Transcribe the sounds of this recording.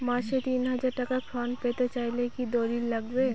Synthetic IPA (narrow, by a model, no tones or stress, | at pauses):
mãːʃet̪iːnɦɐd͡ʒaɾʈəkakʰɾɔnpeːt̪et͡ʃaːilekid̪oɾillɐɡbe